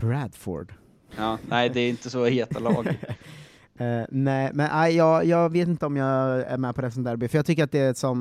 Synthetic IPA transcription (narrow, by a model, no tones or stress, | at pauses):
b̥ɾæd̪fɔ̰ɾɖ | ɑːnɛɪd̪ɛɾɪnt̪əsɔheːt̪alɑ̰ːɡ | nɛɪmɛnʔæɪjɑːjɑːveːt̪ɪnt̪əɔmjɑːæ̰ɾmɛːpʰɔɾɛpɾɛsɛnt̪æːɾbɪfœɾjɑːɡt̪ʰʏkːəɾat̪̚d̪ɛæsɔm